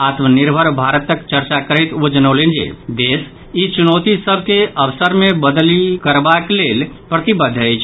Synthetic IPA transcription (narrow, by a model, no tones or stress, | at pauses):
at̪ʰmənɪɾbʱəɾbʱaɾət̪ːəkt͡ʃəɾt͡ʃakəɾɛɪt̪od͡ʒənolend͡ʒḛd̪eːs | it͡ʃunoːt̪isəb̚ʱkeəʋsəɾmẽbəd̪likəɾbakleːlpɾət̪ibəd̪ʱːət͡ʃʰ